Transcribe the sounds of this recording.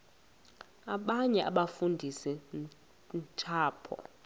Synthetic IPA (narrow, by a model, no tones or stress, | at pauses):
aɓaɲɛʔaɓafundʱisɛ | ntʼʰaːpʰɔ̰